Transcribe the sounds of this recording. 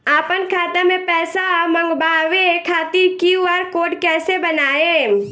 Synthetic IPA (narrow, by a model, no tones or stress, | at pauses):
aːpənkʰaːt̪emẽpɛːsamə̃ŋɡbaːʋekʰaːt̪iɾkiuaɾkoːɖkɛːsebənaːe